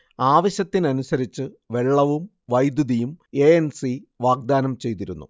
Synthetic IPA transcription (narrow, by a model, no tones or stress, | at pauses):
aːʋɐɕɐt̪ːinɐnusɐɾit͡ɕːɨ | ʋe̞ɭːɐʋum | ʋɐjd̪juðijume̞ensiʋaːɡ̚d̪aːnɐmt͡ɕe̞jt̪iɾunːṵ